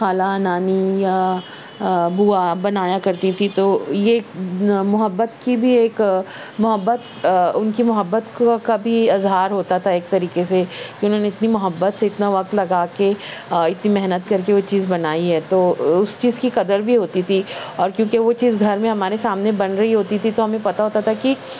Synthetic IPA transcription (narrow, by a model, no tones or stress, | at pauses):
xaːlanaːnija | buːabɐnaːjakɐɾt̪it̪ʰit̪ojeːmʊɦəbːət̪kibʱieːk | mʊɦəbːət̪ | ʊnkimʊɦəbːət̪kabʱiɐzɦaːɾɦoːt̪at̪ʰaeːk̚t̪ɐɾiːkesekiʊnɦoːneɪt̪nimʊɦəbːət̪seɪt̪naʋɐq̚t̪lɐɡaːkeɪt̪nimɛɦnət̪kɐɾkeʋot͡ʃiːzbɐnaːiɦɛːt̪oːʊst͡ʃiːzkiqɐd̪əɾbʱiɦoːt̪it̪ʰiɔːɾkjõːkeʋot͡ʃiːzɡʱɐɾmẽɦɐmaːɾesaːmnebɐnɾɐɦiɦoːt̪it̪ʰit̪oɦɐmẽpɐt̪aɦoːt̪at̪ʰaki